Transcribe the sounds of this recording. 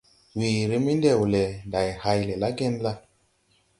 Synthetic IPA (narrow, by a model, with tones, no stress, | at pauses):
wi˨ɾi˦mi˦nde˦˨wu˨le˨nda˨jha˧jle˨la˦ɡe˦nla˦